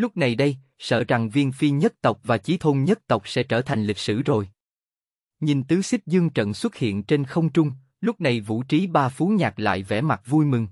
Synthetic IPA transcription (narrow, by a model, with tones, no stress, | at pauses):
lʊ˦˥k͡p̚na˨˩jɗə˧j | sə̰ː˧˨t͡ɕa˨˩ŋvi˧ənfi˧ɲə˦˥t̚t̪ə˨˩wk͡p̚vaː˨˩t͡ɕi˨˦t̪ʰo˧nɲə˦˥t̚t̪ə˨˩wk͡p̚sɛ̰˧˥t͡ɕəː˧˩t̪ʰa˨˩jŋ̟lï˨˩k̚sɨ̰˧˩zo˨˩j | ɲi˨˩nt̪ɨ˨˦sï˦˥k̚zɨ˧əŋt͡ɕə̰˧˨nswə˦˥t̚hḭ˧˨ənt͡ɕe˧nxə˧wŋ͡mt͡ɕʊ˧ŋ͡m | lʊ˦˥k͡p̚na˨˩jvṵ˧˩t͡ɕi˨˦ɓaː˧fu˨˦nɲaː˨˩k̚la̰ː˧˨jvɛ̰˧˩ma˨˩t̚vu˧jmɨ˨˩ŋ